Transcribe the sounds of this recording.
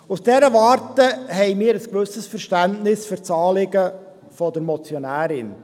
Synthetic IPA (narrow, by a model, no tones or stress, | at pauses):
usd̥ɛɾəvɑːɾtəhɛɪmiːɾəskʋɵsəsfəɾʃtæntnɪsfyɾt͡sɑːlɪɡə | fɔdəɾmɔt͡sjonæːɾɪn